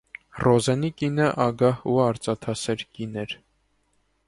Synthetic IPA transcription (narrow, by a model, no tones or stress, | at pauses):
rɔzɛnikinəʔɑɡɑhuɑɾt͡sɑt̪ʰɑsɛɾkinɛɾ